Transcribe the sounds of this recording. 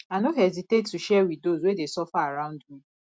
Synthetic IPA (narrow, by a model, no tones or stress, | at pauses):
anoɦɛzitetːuʃɛwiðdozwedesɔfaaɹãʊ̃ndmĩ